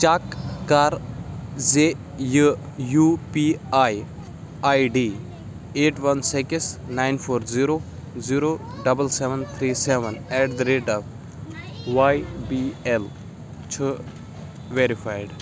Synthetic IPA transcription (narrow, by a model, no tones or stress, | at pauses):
t͡ʃaːkːaːɾze | jə | jupiaːj | ajɖiː | eːʈʋɐnsekɪsnaɪjnpʰoːɾziɾoː | ziːɾoː | ɖɐbəlseʋənt̪ʰɾiːseʋənɛʈd̪ɾeːɖap | ʋajbiɛl | t͡ʃʰə | ʋeɾifʰaːjɖ